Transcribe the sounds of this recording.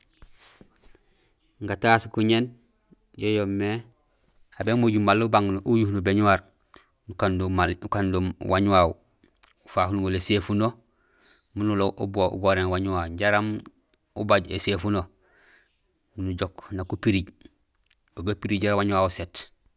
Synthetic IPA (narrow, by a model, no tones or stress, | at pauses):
ŋɡataskuɲen | jejomːe | abemoɟumalːubaŋnuʔujuhnubeɲuwaɾ | nukanmaukandomwaɲuwaw | ufaːhunuŋolesefuno | munuloʔṵboṵɡoɾeːnwaɲuwaɟaɾam | ubaɟḛsefuno | munuɟoknakupiɾiɟ | oɡapiɾiɟaɾawaɲuwaːwuset